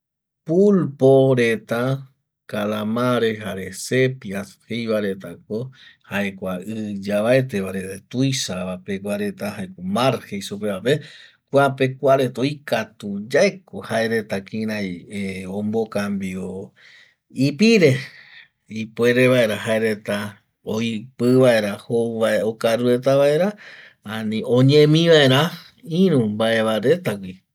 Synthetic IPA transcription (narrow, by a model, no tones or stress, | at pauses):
pulpoɾet̪a | kalamãɾeɦaɾese̞piashejβaɾet̪ak̚ohaekʷaɨd͡ʒaβaet̪eβaɾet̪et̪ujʃaβapekwʷaɾe̞t̪ahaekomaɾhejsupeβape | kwape̞kʷaɾe̞t̪oikat̪ud͡ʒaekohaeɾe̞t̪akĩɾajeõmbokambio | ipiɾe̞ | ipwe̞ɾe̞βae̞ɾaɦaeɾe̞t̪a | oipɨβae̞ɾahoaeokaɾuɾe̞t̪aβae̞ɾã | anĩõɲẽmĩʋae̞ɾã | ĩɾũmbaʔe̞βaɾe̞t̪akʷi